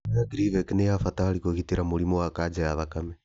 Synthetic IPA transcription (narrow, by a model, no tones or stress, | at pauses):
jaɡɾivɛkinɛjafat̪alikoɣitiɾamulimɔwakad͡ʒajaβakamɛ